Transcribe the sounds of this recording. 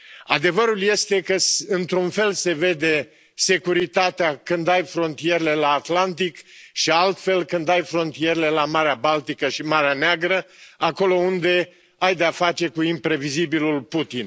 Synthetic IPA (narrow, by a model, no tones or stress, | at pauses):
a̰d̪e̞vəɾulje̞st̪e̞kəɨnt̪ɾunfe̞lse̞ve̞d̪e̞ | se̞kuɾit̪at̪eakɨnd̪ajfɾo̞nt̪ije̞ɾele̞laːt̪lant̪ikʃialt̪fe̞lkɨnd̪ajfɾo̞nt̪ije̞ɾele̞lamaɾeabalt̪ikəʃimaɾeaneaɡɾəako̞lo̞und̪e̞ | ajd̪eafat͡ʃe̞kuimpɾe̞vizibilulput̪in